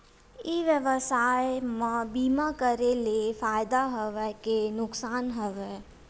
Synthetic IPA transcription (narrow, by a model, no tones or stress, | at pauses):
iʋjəʋəsaːjmãbiːmakəɾelefaːjd̪aɦəʋɛkenʊksaːnɦəʋɛ